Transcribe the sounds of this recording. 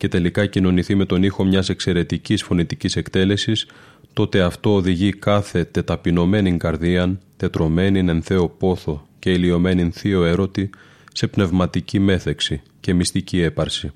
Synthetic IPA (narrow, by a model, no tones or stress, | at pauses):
ce̞t̪e̞likɐcino̞niθime̞t̪o̞nixo̞mɲɐse̞kse̞ɾe̞t̪icisfo̞nit̪icise̞kt̪e̞le̞sis | t̪o̞t̪e̞ɐft̪o̞ːðiʝikɐθe̞t̪e̞t̪ɐpino̞me̞niŋkɐɾðiɐnt̪e̞t̪ɾo̞me̞nine̞nθe̞o̞po̞θo̞ce̞ilio̞me̞ninθio̞e̞ɾo̞t̪i | se̞pne̞vmɐt̪icime̞θe̞ksi | ce̞mist̪icie̞pɐɾsi